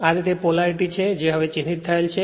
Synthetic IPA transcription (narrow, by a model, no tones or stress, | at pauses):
aɾit̪epolaɾʈit͡ɕʰed͡ʑeɦɔbet͡ɕinːit̪̚ːaelt͡ɕʰe